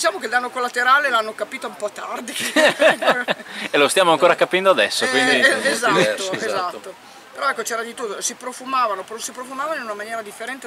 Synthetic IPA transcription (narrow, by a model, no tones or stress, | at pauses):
d̪it͡ʃaːmokeld̪anːokolːat̪eɾaːlelanːokapiːt̪oumpɔt̪ːard̪i | elost̪jamoaŋkoːɾakapɛnd̪oad̪ɛsːokwind̪iezat̪ːoezat̪ːo | peɾɔɛkːot͡ʃɛːɾad̪it̪ut̪ːosipɾofumaːvanopɾosipɾofumaːvanoinunamanjɛːɾad̪ifːeɾɛnt̪e